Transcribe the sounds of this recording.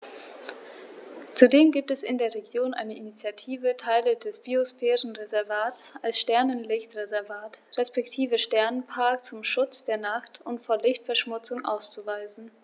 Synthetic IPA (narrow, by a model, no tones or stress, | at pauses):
t͡sudeːmɡiːp̚tɛsɪndeːɐʁeɡjoːnʔa̰ɪnəʔinit͡sjatʰiːvətʰaɪlədɛsb̥iosfɛːʁənʁezɛɐvaːtsʔalsʃtɛɐnənlɪçtʁezɛɐvaːtʁɛspɛktʰiːvəʃtɛɐnənpʰaɐkt͡sʊmʃʊt͡sd̥eːɐnaχtʊntfoːɐlɪçtfɛɐʃmʊt͡sʊŋʔa̰ʊst͡suvaɪzn̩